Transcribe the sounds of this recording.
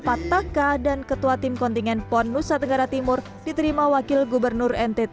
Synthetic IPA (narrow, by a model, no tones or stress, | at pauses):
pat̪akadankət̪uat̪imkɔnt̪iŋɛnpɔnːusat̪əŋɡaɾat̪imʊr | dit̪əɾimawakɪlɡubərnʊrɛnt̪ɛt̪